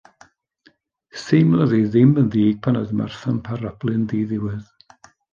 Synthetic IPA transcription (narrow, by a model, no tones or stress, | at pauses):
semlˠəðiðɪmənðiːɡ̥̚pʰanəðma̰rθanpʰaɾab̥lˠɨndiːðɪwɨð